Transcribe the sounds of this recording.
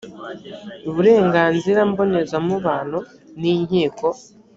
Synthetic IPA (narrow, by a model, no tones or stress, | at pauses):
uβuɾe̞ːŋɡaːnziɾambo̞nezamuβaːn̤̥u | niɲhiːko̞